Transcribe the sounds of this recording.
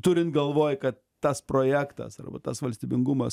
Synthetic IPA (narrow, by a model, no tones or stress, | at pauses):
t̪ʊɾʲɪnt̪ɡɐlˠʋoːjkɐt̪ːɐspɾoːjæːkt̪ɐ̰sɐ̰rbɐ̰t̪ɐsʋɐlʲsʲt̪ʲiːbʲɪŋɡʊmɐs